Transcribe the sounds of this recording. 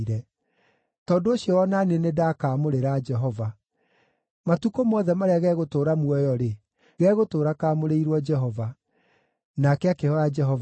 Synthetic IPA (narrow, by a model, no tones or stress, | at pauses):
ɾɛ | tɔndoːɕiɔwɔnanenedakaːmoɾeɾad͡ʒɛɦɔva | matukomɔðɛmaɾeaɣɛɣotoːɾamwɔjɔɾe | ɣɛɣotoːɾakaːmoɾeiɾwɔd͡ʒɛɦɔva | nakɛakehɔjad͡ʒɛɦɔv